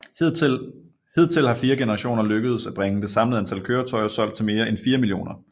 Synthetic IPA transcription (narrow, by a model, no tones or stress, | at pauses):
he̝ð̰ˠt͡sʰe̝lhɑ̈fiːɐɡ̥enəʁɑ̈ɕo̝̰ːnɐløɡ̥əð̞̩ˠsæb̥ʁɛŋəd̥e̝sɑ̈mləð̩ˠænt͡sʰælkʰøːɐt͡sʰɒ̽ɪɐsɒ̽l̰d̥̚t͡sʰe̝lme̝ːɐʔenfiːɐmilio̝̰ːnɐ